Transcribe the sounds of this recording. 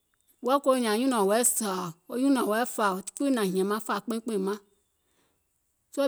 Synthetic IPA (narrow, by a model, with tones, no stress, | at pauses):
wo˦a˦ko˦ɲ˨ã˨ɲũ˦nɔ̃˨wɛ˨˦sa˨wo˦ɲũ˦nɔ̃˨wɛ˨˦fa˨o̥˨˦k͡pu˦nã˨ɦĩ˨ɛ̃˨mã˦fa˨k͡pẽ˦k͡pẽ˦˨mã˦ | s